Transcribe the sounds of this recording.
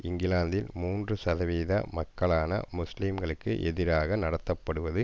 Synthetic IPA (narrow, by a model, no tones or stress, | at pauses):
ɪŋɡɪlaːnd̪ɪlmuːndrɯsɐðɐʋiːðɐ̰mɐkːɐɭaːnɐ̰mʊsliːmɡɐɭɯkːɯʔɛðɪɾaːɣɐnɐɽɐt̪ːɐpːɐɽɯʋɐðɯ